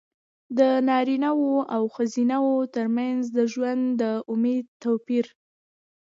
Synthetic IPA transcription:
d̪ənɑɾinawoʔawxazinawot̪əɾmanzd̪əʒwand̪d̪əʊmed̪̚t̪apiɾ

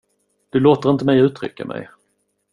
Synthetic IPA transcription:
d̪̥ɵloːt̪əɾɪnt̪əmɛjʉ̟ːt̪ʰɾʏ̰kːamʔɛ̰j

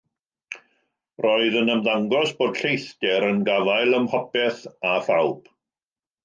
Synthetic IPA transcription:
rɔɨðənəmðaŋɡɔsb̥oːd̥ɬejθdɛɾənɡavaɨlˠəmhɔpɛθaθawb̥

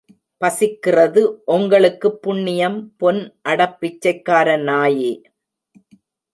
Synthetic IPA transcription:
pɐsɪkːɪrɐðɯʔʊŋɡɐɭɯkːɯpːʊɳːɪjɐmpɔnʔɐɽɐpːɪt͡ʃːɐɪkːaːɾɐnaːjeː

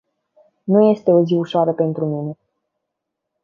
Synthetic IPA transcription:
nuje̞st̪e̞o̞ziuʃoaɾəpe̞nt̪ɾumine̞

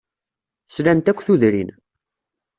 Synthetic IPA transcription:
slænt̪ækʷːθuðɾḭn

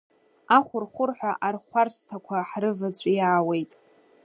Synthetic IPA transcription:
aχʷʊrχʷʊrħʷaʔarχʷarstʰakʷʰaħrɨvat͡ɕʷʼjaːwe̞jtʼ

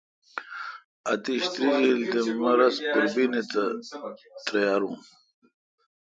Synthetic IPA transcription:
ɐ̰t̪iɕt̪ɾiɡild̪emɐɾɐspiɾbinet̪ɐ | t̪ɾɐjaːɾṵ̃

